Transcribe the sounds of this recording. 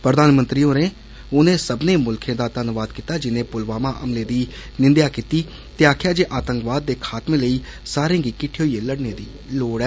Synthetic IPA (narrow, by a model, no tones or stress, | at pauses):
pɾəd̪aːnmənt̪ɾiːõːnẽː | ʊnẽːsəbnẽːmʊlkʰẽːd̪aːt̪ənʋaːd̪kit̪aːd͡ʒɪnẽːpʊlʋaːmaːʔəmleːd̪iː | nɪnd̪jaːkiːt̪iː | t̪eːaːkʰɪjaːd͡ʒeːʔaːt̪ə̃ŋkʋaːd̪ːeːkʰaːt̪mẽːləiːsaːɾẽːɡiːkɪʈʰːjoːieːləɽneːd̪iː | loːɽɛː